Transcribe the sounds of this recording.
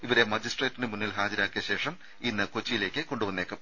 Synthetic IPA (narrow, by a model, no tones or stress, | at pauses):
iʋɐɾe̞mɐd͡ʑisʈreːtːindɨmunːilɦaːd͡ʑɐɾaːkːijɐɕe̞ːʂɐm | inːɨko̞t͡ɕːijile̞ːkʲːɨko̞ɳɖuʋɐnːeːkːɐm